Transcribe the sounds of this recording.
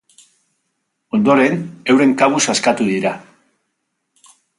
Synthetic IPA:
o̞nd̪o̞ɾe̞ne̞wɾe̞ŋkaβusaskat̪uðiɾa

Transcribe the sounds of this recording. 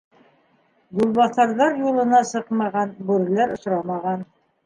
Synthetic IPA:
julˠβɑθɑɾðɑɾjulˠɤ̆nɑsɤqmɑʁɑnbʉɾɘ̆læɾŏʃɾɑmɑʁɑn

